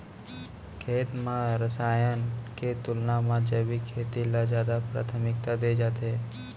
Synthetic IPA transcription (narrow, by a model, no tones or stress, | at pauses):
kʰeːt̪mãɾəsaːjənket̪ʊlnamãd͡ʒəbikʰeːt̪ilad͡ʒjaːd̪apɾa̰ːt̪ʰəmɪk̚t̪ad̪ed͡ʒaːt̪ɦɛː